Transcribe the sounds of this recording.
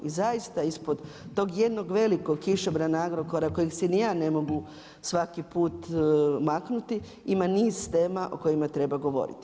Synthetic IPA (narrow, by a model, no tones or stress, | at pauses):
izajist̪aispod̪ | t̪o̞ːɡje̞d̪no̞ɡʋe̞likoɡkiʃobɾanaaɡɾokoɾako̞jeɡsɛnijaːne̞mo̞ɡu | sʋakipuːt̪maknut̪i | imaniːzt̪eːmaʔo̞̰ko̞jimat̪ɾe̞baɡo̞ʋo̞̰ɾḭt̪i